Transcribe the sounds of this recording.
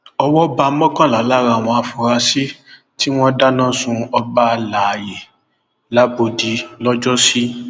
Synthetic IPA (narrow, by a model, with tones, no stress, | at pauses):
ɔ˧wɔ˦ba˧˦mɔ̃˦kã˦˨la˨˦la˦ɾa˧˨w̃ɔ̃˧a˧fo˨ɾa˧si˦ | ti˦w̃ɔ̃˦da˦nã˦˨sũ˧ɔ˧ba˦˧la˨je˨ | la˦bo˧di˨˦lɔ˦d͡ʒɔ˦si˦